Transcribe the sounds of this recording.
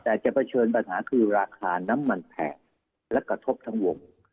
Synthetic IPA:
t̪ɛː˨˩t͡ɕa˨˩ʔpʰa˧t͡ɕʰɤː˧np̬a˧nɦaː˩˦kʰɯː˧ɾaː˧kʰaː˧na˦˥mːa˧npʰɛ̰ː˨˩n̚ | lɛ˦˥kɾa˧t̪ʰo˦˥p̚t̪ʰa˦˥ŋwo˧ŋ

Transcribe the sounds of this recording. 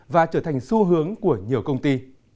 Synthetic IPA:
vaː˨˩t͡ɕəː˧˩t̪ʰa˨˩ŋ̟su˧ɦɨ˨˦əŋku˧˩əɲi˨˩əwkə˧wŋ͡mt̪i˧

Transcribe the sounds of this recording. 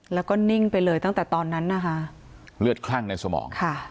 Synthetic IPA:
lɛː˦˥wkɔː˥˩ni˥˩ŋpa˧jlɤː˧jt̪a˥˩ŋt̪ɛː˨˩t̪ɔː˧nːa˦˥nːa˦˥kʰa˦˥ʔ | lɯ˥˩ət̪̚kʰla˥˩ŋna˧jsa˧mɔ̰ː˩˦ŋkʰa˥˩

